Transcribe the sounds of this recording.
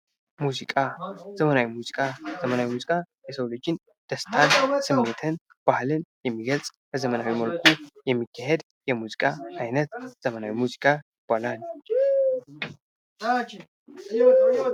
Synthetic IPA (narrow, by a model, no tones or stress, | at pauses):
muzikʼazəmənawimuzikʼazəmənawimuzikʼa | jɛsowlod͡ʒɪn | d̪̥əst̪ʰansɨmːe̞t̪ʰɨn | b̥ahlɨnjɛmːiɡəlsʼbəzəmənawiməlkʷʰujɛmːikʰːahed̪ | jɛmuzikʼaajnət̪z̥əmənawimuzikʼajɪb̥alal